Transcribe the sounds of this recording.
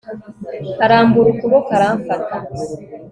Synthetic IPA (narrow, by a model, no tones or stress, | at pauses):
kaɾaːmbuɾukuβokaɾaːɱfata